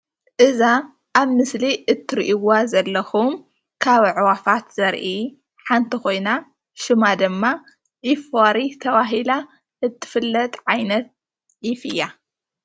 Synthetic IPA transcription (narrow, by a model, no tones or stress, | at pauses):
ʔɨza | ʔaβmɨsliʔɨt̪ʰːɨɾʔiwazɐlːɐxum | kʰaβʕwafat̪z̥ɐɾʔi | ħant̪ʰixo̞jna | ʃɨmad̪ɨmːa | ʕifaɾit̪ʰɐβaɦila | ʔɨt̪ʰːɨ̥fɨlːɐt̪ʼʕajnɐt̪̚ | ʕifɨjːa